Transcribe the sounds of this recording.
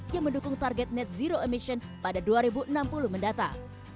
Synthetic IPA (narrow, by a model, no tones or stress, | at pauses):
jaŋməndukʊŋt̪arɡɛt̪̚nɛt̪̚ziɾoemiʃɔnpadaduaɾibuʔənampulʊhməndat̪a̰